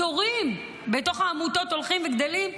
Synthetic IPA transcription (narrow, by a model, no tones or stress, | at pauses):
oʁim | beto̞χaːmut̪o̞t̪olχimveɡd̪olim